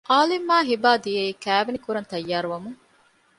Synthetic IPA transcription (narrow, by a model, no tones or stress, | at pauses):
ʔaːlimːaːɦibaːd̪ijeiːkæːʋenikuɾɐnt̪ɐjːaːɾuʋɐmuŋ